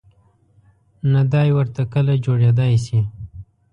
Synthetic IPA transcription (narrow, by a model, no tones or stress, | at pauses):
nad̪ɑjwəɾt̪akəlad͡ʒoɽed̪ɑjsi